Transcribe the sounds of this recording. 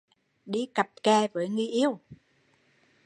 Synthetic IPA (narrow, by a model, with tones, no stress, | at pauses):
ɗi˧ka˨˩p̚kaː˧˩vəː˨˦jŋi˧jʔi˧əw